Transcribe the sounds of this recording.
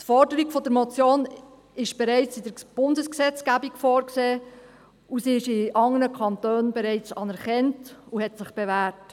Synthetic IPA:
tfɔɾdəɾiɡfɔdəɾmɔt͡sjoːn | ɪʃb̥ɛɾɛɪt͡sɪd̥əɾb̥ʊndəsksɛt͡sɡæbikfɔːɾkseː | usiɪʃɪʔɑŋːənəkʰɑntøːnbɛɾɛɪt͡sɑnɛɾχɛntuhɛtsɪχb̥ɛvæːɾt

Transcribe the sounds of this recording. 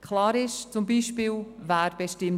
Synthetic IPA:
kʰlaːɾɪʃt͡sʊmbiːʃpiːlvaːɾbɛʃtɪm

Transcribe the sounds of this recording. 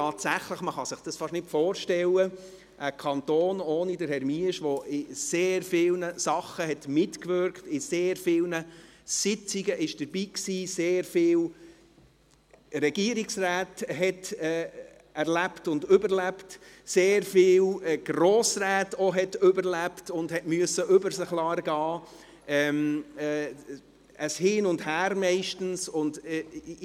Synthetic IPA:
tɑːtsæχləχməχɑsɪχd̥ɑsfɑʃnɪtfɔːɾʃtɛlːə | ʔəkʰɑnt̪oːnoːnidəɾhɛɾmiəʃʋɔʔɪseːɾfɪlnəsɑχəɦɛtmɪtkʋʏɾktɪseːɾfɪːlnəsɪt͡siɡəʔɪʃd̥əɾbiːksiːseːɾfɪːl | ɾɛɡiəɾiksraːtɦɛtɛː | æɾlæptʊndʏbəɾlæpt | seːɾfɪːlɡ̥roːsræːtɔɦɛtʏbəɾlæptʊndhɛtmyəsəʔʏbəɾsəχlɑːɾɡɑː | ʔɛmɛ | əshɪːnʊndhæːɾmɛɪʃtn̩sʊnd

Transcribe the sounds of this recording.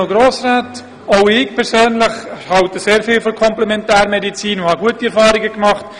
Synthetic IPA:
ʊɡɾoːsraːt | oʊɪçpʰɛɾsøːnlɪχhɑltəseːɾfiːlfɔkʰɔmplɛmɛntɛːɾmɛdit͡siːnuhɑɡuətiɛɾfɑːɾɪɡəkmɑχt

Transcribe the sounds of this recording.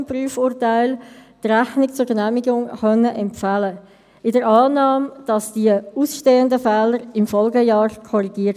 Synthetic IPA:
mpryːəfuːɾtaɪltræχnɪk̚t͡sʊɾɡnæːmiɡʊŋχœnːəʔɛmfalə | ɪdəɾɑːnɑːmd̥ɑsd̥iəuːsʃteːəndəfɛːləɾɪmfɔlɡəjɑːɾkʰɔɾiɡ̥iə

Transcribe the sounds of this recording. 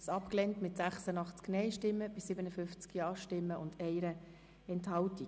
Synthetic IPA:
sɑpklɛntmɪtsæχsənɑχt͡sknɛɪʃtɪmːəb̥ɪsɪbənəfʏft͡skjɑːʃtɪmːəʊndɛɪɾə | ɛnthɑlti

